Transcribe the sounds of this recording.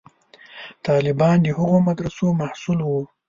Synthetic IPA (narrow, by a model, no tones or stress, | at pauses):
t̪ɑlɪbɑnd̪əhəɣomad̪ɾasomahsulwu